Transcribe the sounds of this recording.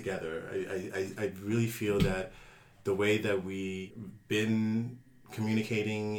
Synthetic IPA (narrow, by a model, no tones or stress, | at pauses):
ɨɡɛðə˞a̰ɪa̰ɪa̰ɪaɪɹɪlˠifilˠðɨt̪̚ | ðəweɪðɨt̚wibɪ̃n | kʰmjʉñɨkʰeɪɾɪ̃ŋ